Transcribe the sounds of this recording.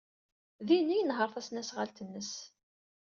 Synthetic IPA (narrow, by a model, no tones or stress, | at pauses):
ðinːijənɦəɾˤθæsnæsʁalt̪ənːəs